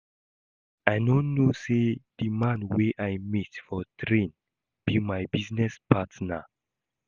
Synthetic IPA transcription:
ajnõnnːosed̥imãnweʔajmitfɔtʰɹẽn | b̥imajbiznɛspʰatna

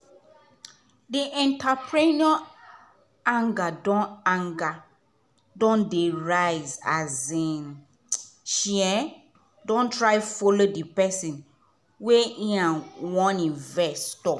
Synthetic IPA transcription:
diʔɛ̃ntapʰɹinɔ | ãŋɡadɔ̃nãŋɡa | dɔ̃ndeɹajzazĩn | ʃiɛ | dɔ̃ntʰɹajfolodipɛsĩn | weĩãnwɔ̃nĩnvɛstɔ

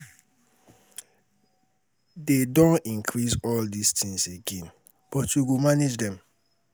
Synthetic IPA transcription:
dedõnĩŋkʰɹisɔldistʰĩŋseɡẽn | b̥ɔtjuɡomaned͡ʒdɛ̃m

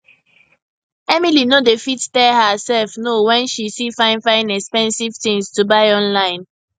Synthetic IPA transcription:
ɛmilinodefittɛlhəsɛlfnowɛ̃nʃisifãɪ̃nfãɪ̃nɛkspɛ̃nsiv̥tĩŋstubaɪɔ̃nlãɪ̃n

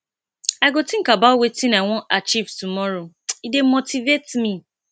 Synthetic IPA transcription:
aɪɡotĩŋ̩kabawetinaŋʷɔ̃ʔat͡ʃivtumɔɾo | idem̩motivetmi

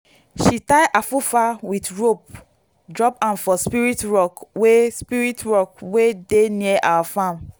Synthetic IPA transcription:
ʃitaɪjʔafufawitɹop̚ | dɹɔpãnfɔspiɹitɹɔkwespiɹitɹɔkwedeniɛʔa̰wafãm

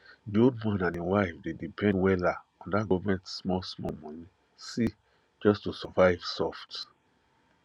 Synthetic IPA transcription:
diod̚mãnãniwaɪfdedipʰɛ̃nwɛla | ɔ̃ndaɡɔvmɛ̃ntsmɔsmɔmɔ̃ni | si | d͡ʒɔstusɔvaɪvsɔft

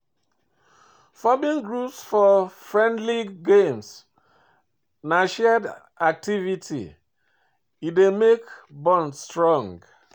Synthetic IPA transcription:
fɔbĩŋɡɹusfɔfɹɛ̃ndliɡẽms | naʃɛd | ak̚tʰivitʰḭ | idemekbɔ̃nstɹɔ̃ŋɡ

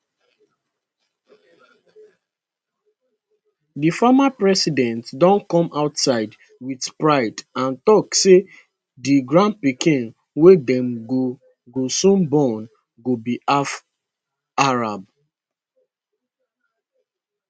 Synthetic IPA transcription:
difamapɹɛsidɛ̃ntdɔ̃nkɔ̃mʔaʊtsaɪd | witpɹaɪdãntɔkse | diɡɹãn̚pikĩn | wedɛ̃mɡo | ɡosũnbɔn | ɡobiaf | aɹab̚

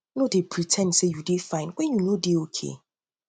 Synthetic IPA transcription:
nõdepʰɹitʰɛ̃ndsejudefãɪ̃nkʷɛ̃njunodeokʰḛ

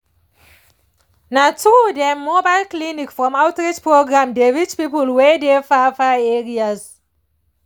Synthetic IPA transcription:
natudɛmobaɪlklinikfɹɔ̃maʊtɹid͡ʒpɹoɡɹãmdeɹit͡ʃpipəlwɛdefafaɛɹiaz

